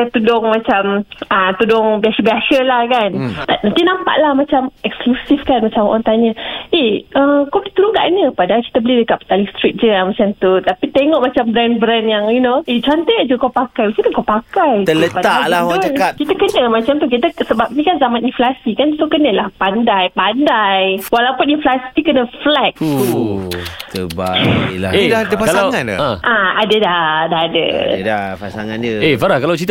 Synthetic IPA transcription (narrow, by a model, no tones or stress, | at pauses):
t̪udʊŋmat͡ʃamət̪udʊŋbiasəbiasəlahkant̪anant̪inãmpa̰ʔlahmat͡ʃamɛksklusifkanmat͡ʃamo̰ʔant̪aɲəʔeəkawbəlit̪uɾuŋka̰ʔanəpadaaki̥t̪əbəlidəkap̚t̪alist̪ɾit̪̚d͡ʒəamat͡ʃamt̪ut̪apit̪eŋɔʔmat͡ʃambɾɛnbɾɛnjaŋinoet͡ʃuant̪əjaʔd͡ʒukawpakajmat͡ʃaukawpakajt̪ələaalawaŋt͡ʃəkap̚kit̪akənəmat͡ʃamt̪uk̬it̪əsəbap̚nikanzamaninflasikansokənəlahpandajpandajwalaupuninflasi̥t̪ikənəflɛk̚t̪u | t̪əbaila̰edahdəpakalslawŋan̰ãʔaadədahdahadə̰dapasaŋand͡ʒəefaɾahkalawt͡ʃit̪